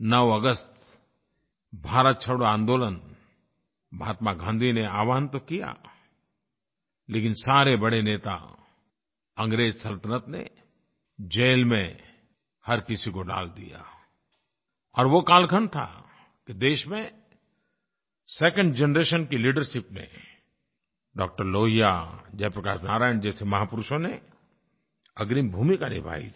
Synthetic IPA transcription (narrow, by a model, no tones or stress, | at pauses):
nəʋɐɡəst̪ | bʱaːɾət̪̚t͡ʃʰɐɽoãːnd̪oːlən | bʱa̰ːt̪maɡʱãːnd̪ʱineaːʋaːənt̪okija̰ | leːkɪnsaːɾebɐɽeneːt̪a̰ | ɐ̃ŋɡɾeːd͡ʒsɐlt̪ənət̪nḛ | d͡ʒeːlmẽ | hɐɾkɪsikoɖa̰ːld̪ḭja̰ | ɔːɾʋokaːlkʰənt̪ʰa̰ | kid̪eːʃmẽ | sɛːkə̃ɳɖd͡ʒɛnɾeːʃənkiliːɖəɾʃɪpnḛ | ɖɔːk̚ʈəɾloːɦijad͡ʒɛːpɾəɐkaːʃnaːɾaːɪənd͡ʒɛːsemɐɦaːpʊɾʊʃõne | ɐɡɾimbʱuːmikanɪ̰bʱa̰ːḭ